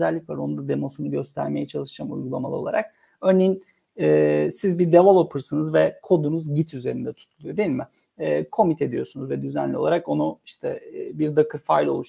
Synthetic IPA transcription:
ɛælʲːicva̰ɾo̞nud̪ad̪e̞mo̞sunuɟø̞st̪ʰæ̰ɾme̞jɛt͡ʃʰalˠɯʃamṵjɡulˠamalˠɯo̞̰a̰ɾʔak̚ | øɾnejin | ɛːsizbiɾd̪evalˠo̞pʰɯɾsɯnɯzvɛkʰo̞d̪unuzɟit̪ʰyze̞ɾind̪ɛt̪ʰu̥t̪ʰulˠujod̪e̞jilmɪ | ɛːkʰo̞mit̪ʰed̪ijo̞sunuzvɛd̪yzænlʲio̞lˠaɾako̞nuiʃt̪ʰɛːbiɾd̪akʰɯɾfajlʲo̞lˠuʃ

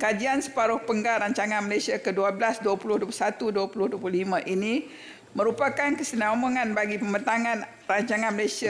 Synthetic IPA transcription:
kad͡ʒiansə̥paɾʊhpəŋɡaɾaɲt͡ʃaŋãnməlesiakəduablasduapulʊhduapulu̥sat̪uduapulʊhduapululimãʔini | mə̃ɾupakankəsənaamoŋãnbaɡipəmənt̪aŋãn | raɲt͡ʃaŋãnməlesia

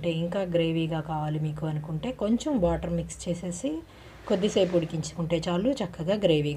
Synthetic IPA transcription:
ʈe̞ːiŋkaːɡɾe̞ːʋiːɡaːkaːʋaːlimiːkuɐnukuɳʈe̞ːko̞ɲt͡ʃɐmʋaːʈɐɾmikst͡ʃe̞ːse̞ːsi | kod̪ːisejpuɽikiɲt͡ʃu̥kuɳʈe̞ːt͡ʃaːlːut͡ʃɐkːɐɡaːɡɾe̞ːʋiː

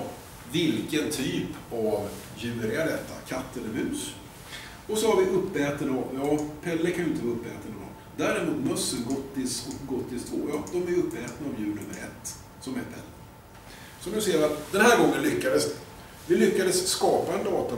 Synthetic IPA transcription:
vɪlkənt̪ʰyːpav | jʉːɾɪaɖɛt̪ːakʰat̪ːəlɛɾhʉ̟ːs | ɔsɔhaɾvɪʔɵpːɛːt̪ənajɑːpʰɛlːəkʰanjʊʏɪt̪əvɑɵpːɛ̰ːt̪ənəɔ̰ | d̪æːɾɪɾmuːt̪mɵsːənɡɔt̪ːɪsɡɔt̪ːɪst̪ʰvo̰ːjɑːd̪ɔmæjɵpːɛːt̪naːvjʉ̟ːɳɵmːəɾɛ̰t̪ː | sɔmɛt̪pʰɛlːə | sɔmd̪ɵseːɾat̪d̪ɛnhæːɾɡɔŋːənlʏkːad̪əs | vɪlʏkːad̪əsːkɑːpaɛnd̪ɑːt̪a

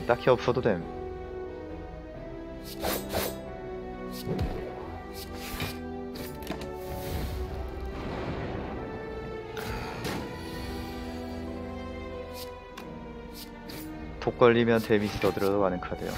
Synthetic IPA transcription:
t͈akʰiʌp̚s͈ʰʌdodenm | tok͈ʌʎːimjʌntwemid͡ʑʰitʌdɯɾʌʌmanɯŋkʰadḛjo̰

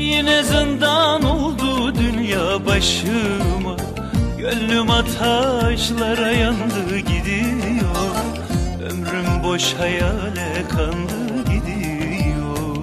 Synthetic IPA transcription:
jenɛzɯnd̪anolˠd̪ud̪ynjaːbaʃɯma | ɟølːymat̪ʰaʃlˠaɾajand̪ɯɟid̪ijo | ø̰mɾymbo̞ʃhajalʲɛkʰand̪ɯɟid̪i | jjo

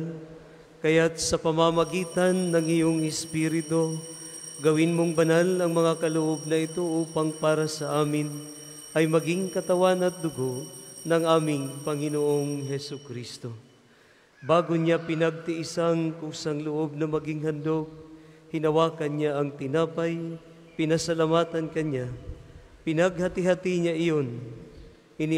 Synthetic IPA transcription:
n | kɐjat̪̚sɐpɐmamɐɡiːt̪ɐnːɐŋɪjoŋɪspiɾɪt̪o̞ | ɡɐwɪnmoŋbɐnalɐŋmɐŋakɐlʊʔo̞b̚nɐɪt̪o̞ʔuːpɐŋpaːɾɐsɐʔaːmɪn | ʔɐjmɐɡiŋkɐt̪ɐwanɐt̪̚d̪ʊɡo̞ʔnɐŋʔaːmɪŋpɐŋɪnoʔoŋɦɛsʊkɾist̪o̞ | baːɡʊɲapɪnɐɡ̚t̪ɪʔɪsaŋkʊŋsaŋlʊʔo̞b̚nɐmɐɡɪŋɦɐnd̪ok̚hɪnɐwaːkɐnɲaʔɐŋt̪ɪnaːpɐj | pɪnɐsɐlamaːt̪ɐnkɐɲa | pɪnɐɡhɐt̪ɪɦat̪ɪɲaʔɪjo̞n | ʔɪnɪ

